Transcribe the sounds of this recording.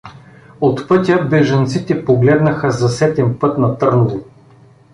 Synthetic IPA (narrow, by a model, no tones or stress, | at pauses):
ot̪pɤt̪ʲəbɛʒɐnt̪sit̪ɛpoɡlɛd̪nɐxəzɐsɛt̪ɛmpɤt̪nɐt̪ɤɾnʊvo